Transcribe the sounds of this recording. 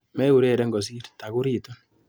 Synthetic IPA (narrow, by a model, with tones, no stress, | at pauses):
mɛ˦u˨ɾe˦˨ɾɛ˦ŋɡɔ˨s̬i˦ɾta˨ku˦ɾiː˦to˦